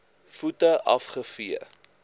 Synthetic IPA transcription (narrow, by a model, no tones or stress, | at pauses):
futəʔɐfχəfiə